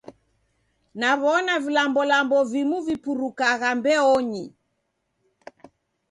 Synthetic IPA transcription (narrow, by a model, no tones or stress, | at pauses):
naβɔnavilambɔlambɔvimuvipuɾukaɣambɛɔɲi